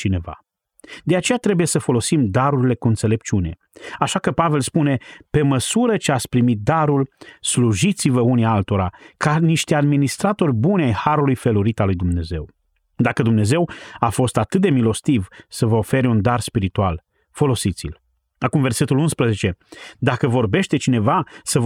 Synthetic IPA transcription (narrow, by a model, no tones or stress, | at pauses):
t͡ʃine̞va̰ | d̪eat͡ʃe̞jat̪ɾe̞buje̞səfo̞lo̞simd̪aɾuɾile̞kuɨnt̪sele̞p̚t͡ʃiune̞̰ | aʃakəpave̞lspune̞pe̞məsuɾət͡ʃeat̪sʲpɾimit̪̚d̪aɾulsluʒit̪sivəunialt̪o̞ɾakaniʃt̪ead̪minist̪ɾat̪o̞rʲbuneajhaɾulujfe̞luɾit̪alːujd̪umne̞ze̞̰w | d̪akəd̪umne̞ze̞wafo̞st̪at̪ɨt̪̚d̪e̞milo̞st̪ivsəvəofe̞ɾʲund̪arspiɾit̪ual | fo̞lo̞sit̪sḭl | akumve̞rse̞t̪ulunspɾəze̞t͡ʃe̞d̪akəvo̞rbe̞ʃt̪e̞t͡ʃine̞vasə